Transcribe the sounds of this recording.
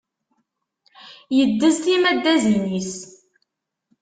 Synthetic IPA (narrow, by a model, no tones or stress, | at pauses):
jəd̪ːəzt̪imæd̪ːæzinis